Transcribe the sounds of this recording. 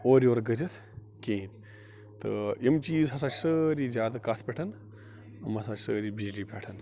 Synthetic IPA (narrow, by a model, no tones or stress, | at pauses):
oːɾʲoːɾɡəɾɐt̪ʰ | keːn | t̪ɨ̰imt͡ʃiːzɦɐs̬aːt͡ʃʰsəːɾiːzʲjaːd̪ɐkat̪ʰpʲeʈʰɐn | ɐmɐsaːt͡ʃʰsəːɾiːbid͡ʒliːpʲeʈʰɐn